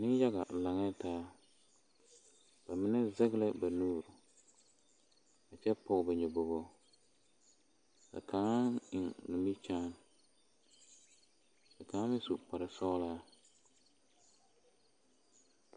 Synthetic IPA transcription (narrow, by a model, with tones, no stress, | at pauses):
nɪ˦ja˦ɡa˨la˨ŋɛ˦taː˦ | b̥a˨mɪ˦nɛ˦zɛ˦ɡɪ˦la˦ba˨nuː˦ɾʊ˨ | a˨t͡ʃɛ˦pɔ˨ɣba˨ɲɛ˨bo˨bo˦ | la̰˨kʰa˨˦ɪ˨ŋnʊ˨mi˦t͡ʃaː˦n | la˨kaː˨˦mɪ˦su˨k͡pa˨ɾɪ˨sɔ˦laː˦